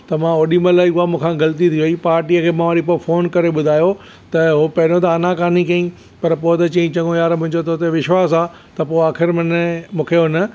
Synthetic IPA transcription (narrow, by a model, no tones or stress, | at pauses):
t̪ɐmãoːɗiməlaːiʊɦamũːkʰãɡɐlt̪it̪ʰiʋipaːɾʈiːəkʰeːmãʋaːɾipofʰoːnkɐɾeɓʊd̪ʱaːjo | t̪ɐɦopɐɾõt̪ɐːnãkaːnikɐĩ | pɐɾpoːt̪ɐt͡ɕɐĩt͡ɕɐ̃ŋɡõjaːɾmʊ̃ɦɪ̃ɲd͡ʑot̪ʰot̪eʋɪʃwaːsaː | t̪ɐpoːaːxɪɾmɐnmũːkʰeɦʊnə̆